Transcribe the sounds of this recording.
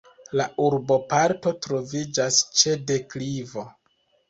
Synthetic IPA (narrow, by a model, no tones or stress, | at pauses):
laʔuɾbo̞paɾto̞tɾo̞vid͡ʒast͡ʃe̞de̞klivo̞